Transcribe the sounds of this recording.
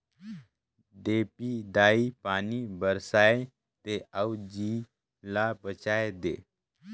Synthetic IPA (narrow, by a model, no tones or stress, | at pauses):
ɖepid̪aipanibəɾsaje | t̪eawd͡ʑi | lapət͡ɕajd̪e